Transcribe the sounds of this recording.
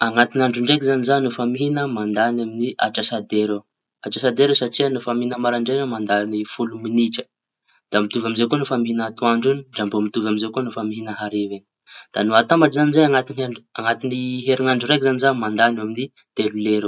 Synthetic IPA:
aŋat̪inaɳɖ͡ʐuɳɖ͡ʐek̬ʲizanizanufamiɦinəmand̪anaminiʔa̰ʈ͡ʂasad̪eɾe | aʈ͡ʂasad̪eɾewsaʈ͡ʂiənufamiinəmaɾaɳɖ͡ʐejamand̪anifuluminiʈ͡ʂə̥ | d̪̥amit̪uvamizekunofamiɦinat̪uaɳɖ͡ʐuniɳɖ͡ʐambomit̪uvamizekunofamiɦinəɦaɾeveni̥ | d̪̥anuat̪ambaʈ͡ʂzanizajaŋat̪inaaŋat̪iniɦeɾiŋaɳɖ͡ʐuɾekʲizanizamand̪anamini | t̪eluleɾe

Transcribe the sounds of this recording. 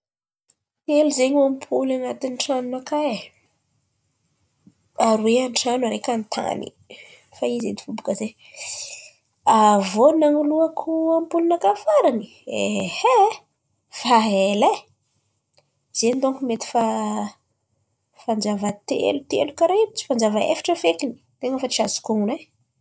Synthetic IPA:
t̪eluzeɲuampʰulanat̪inʈ͡ʂanunakae | aɾweanʈ͡ʂanuaɾekant̪ʰa̰nḭ | faized̪i̥fubukəze | avonaŋuluakʰuampulunakafaɾani | ehe | faɦele | z̥end̪oŋkumet̪i̥fa | fand͡ʒavət̪ḛlut̪elukaɾeit͡si̥fand͡ʒavəḛfḁʈ͡ʂəfekini̥t̪eŋəfat͡ʃiazu̥kuŋune

